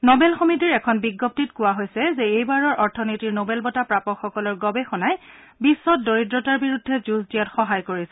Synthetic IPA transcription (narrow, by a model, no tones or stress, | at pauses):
nobɛlxomitiɹɛkʰɔnbiɡːɔp̚titkʊwaɦojsɛzɛejbaɹɔɹʔɔɹtʰɔnitiɹnobɛlbɔtapɹapɔkxɔkɔlɔɹɡɔbɛxɔnaj | bisːɔt̚doɹidɹɔtaɹbiɹudʱːɛzusdijatxɔɦajkoɹisɛ